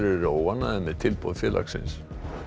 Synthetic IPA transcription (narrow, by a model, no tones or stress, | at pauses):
ɾɛɾowvanːaðɛmɛðt̪ʰɪlpoðfjɛːlʔa̰ksɪ̰ns